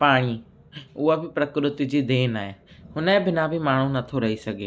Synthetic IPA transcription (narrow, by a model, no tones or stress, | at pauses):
paːɽ̃i | ʊɦabɪpɾɐkɾɪt̪ɪ̆d͡ʑid̪eːnaːɦeːɦʊnẽbʱɪnabʱɪmaːɳ̤̃ũnɐt̪ʰoɾɐɦisɐɡʱeː